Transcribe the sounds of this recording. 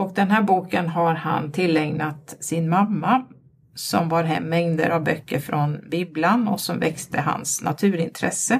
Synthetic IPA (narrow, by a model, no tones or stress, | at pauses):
ɔk̚d̪ɛnɦæːɾbuːkənɦaɾha̰nt̪ʰɪlːɛŋnat̪sɪnmamːa | sɔmvaɾɦɛ̰mːɛŋd̪ə̰ɾavbœkːəɾfɾɔnbiːblanɔsɔmvɛkst̪ʰəɦa̰nsna̰t̪ʰʉ̟ːɾɪnt̪ʰɾɛsə